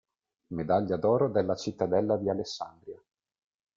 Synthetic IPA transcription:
med̪aʎːad̪ɔːɾod̪elːat͡ʃit̪ːad̪ɛlːad̪ialesːa̰nd̪ɾja

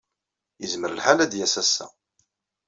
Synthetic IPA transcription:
jəzməɾəlħalæd̪jæsæsæ̰

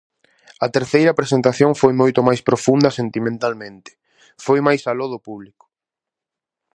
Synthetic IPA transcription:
ɐt̪eɾθejɾɐpɾesent̪aθjoŋfojmojt̪ʊmajspɾofund̪ɐsent̪imẽnt̪almẽnt̪ɪ̥ | fojmajsaloðʊpuβlikʊ̥

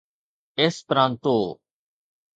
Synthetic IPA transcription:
espɾãːnt̪oː

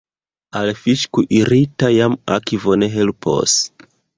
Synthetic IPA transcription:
alefiʃkuʔiɾitajama̰kivoneɦelupʰo̰s

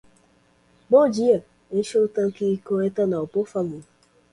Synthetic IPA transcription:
ɡ͡bɔd͡ʒia | eʃoutaŋ̩kiikoetanaopofaɡu

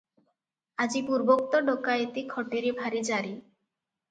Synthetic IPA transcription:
ad͡ʑipuɾbok̚t̪oɖokaeet̪ikʰɔʈiɾibʱaɾid͡ʑaɾi

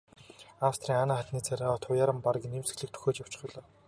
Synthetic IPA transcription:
awst̪ʰrʲiːŋanaːχat̪niːt͡sʰaɾʲaːɔt̪ʰʊjaːɾə̆mpaɾə̆kʲnemsɘ̥̆ɣɮɘ̆k̚t̪ʰɵ̥xoːt͡ɕjaw̥t͡ɕ̆χɞ̆ɮɔː

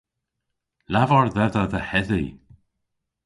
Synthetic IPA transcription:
lavɔɹðɛðəðəhɛðḭ

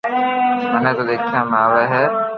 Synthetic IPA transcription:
mənẽt̪oːd̪eːkʰijãːmaːʋeːɦɛː

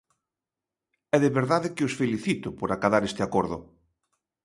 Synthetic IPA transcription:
ɛðeβeɾðaðɪkɪosfeliθit̪ʊpoɾakaðaɾest̪ɪakoɾðʊ

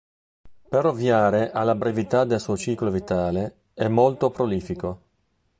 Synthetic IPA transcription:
peɾovːjaːɾeʔalːabɾevit̪ad̪elsuot͡ʃiːklovit̪aːle | ɛmːolt̪opɾoliːfiko

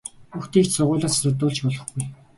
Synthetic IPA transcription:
xuxt̪iːkt͡ɕsʊʁʊːɮaːssʊt̪ʊːɮt͡ɕpɔɮɞ̆χɡuj

